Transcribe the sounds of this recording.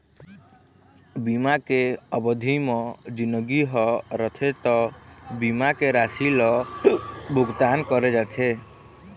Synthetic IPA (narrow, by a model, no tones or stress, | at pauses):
bimakeəbəd̪ʱimɔd͡ʒinəɡiɦɔɾət̪ʰet̪ɔbimakeɾasilɔ | bʱuɡt̪ankɔɾed͡ʒat̪ʰe